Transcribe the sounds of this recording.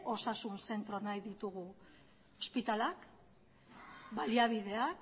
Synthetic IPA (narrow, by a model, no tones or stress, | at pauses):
o̞sasunse̞nt̪ɾo̞najðit̪uɣu | ospit̪alak | baliaβ̞ið̞e̞ak